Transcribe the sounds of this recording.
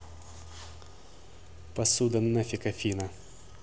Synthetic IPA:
pɐsud̪ɐnːɐfʲɪkɐfʲinɐ

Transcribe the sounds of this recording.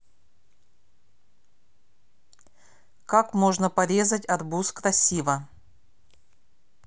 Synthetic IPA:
kakmo̞ʐnəpɐɾʲe̞zətʲɐrbuskɾɐsʲivə

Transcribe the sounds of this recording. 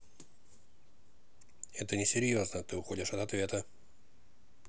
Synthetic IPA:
ɛt̪ənʲɪsʲɪɾʲjo̞znət̪ɨʊxo̞dʲɪʂɐt̪ɐt̪vʲe̞t̪ə

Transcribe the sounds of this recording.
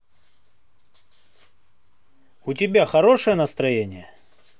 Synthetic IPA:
ʊtʲɪbʲaxɐɾo̞ʂəjənəst̪ɾɐjenʲɪjə

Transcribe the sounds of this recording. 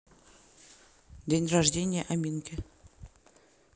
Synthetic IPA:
d̪ʲenʲraʐdʲenʲɪjəʔamʲinkʲɪ

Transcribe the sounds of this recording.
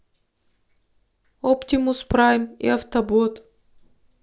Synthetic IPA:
opt̪ʲimuspɾamḭaft̪ɐbot̪

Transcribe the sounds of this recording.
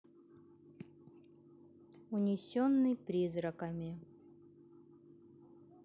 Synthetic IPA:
ʊnʲɪsʲonːɨjpɾʲizrəkəmʲɪ

